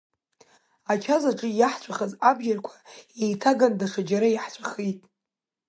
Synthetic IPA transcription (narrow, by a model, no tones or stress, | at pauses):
at͡ʃʰazaʈ͡ʂʼɨjaħt͡ɕʷʰʼaχazabɡʲarkʷʰḁejtʰaɡandaʂad͡ʒaɾaiħt͡ɕʷʰḁχitʼ